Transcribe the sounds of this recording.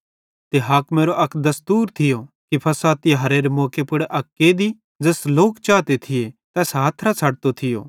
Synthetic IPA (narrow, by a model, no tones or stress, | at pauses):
t̪eɦɐkmeːɾoʔɐkd̪ɐst̪uːɾt̪ʰɪjokipʰɐsaːt̪ɪjɦɐɾeːɾemoːkepʊɽeʔɐkːed̪i | d͡zɐːsloːkt͡ʃaːt̪et̪ʰɪjet̪ɛːsɦaːt̪ʰɾat͡sʰɐɽt̪ot̪ʰɪjo̰ː